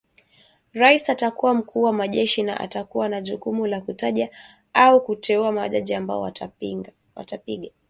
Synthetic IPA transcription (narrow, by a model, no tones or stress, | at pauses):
ɾaisatakuwam̩kʰuːwamaʄɛʃina̰ʔa̰takuwanaʄukumulakutaʄa | aukutɛuamaa̰ʄaʄiamba̰ɔ | wa̰tapiɠa